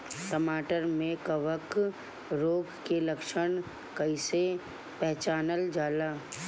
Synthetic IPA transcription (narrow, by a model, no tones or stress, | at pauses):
ʈəmaːʈəɾmẽkɐʋək | ɾoːɡkelɐkʃəɳ̃ | kɐise | pɛɦt͡ʃaːnəld͡ʒaːlaː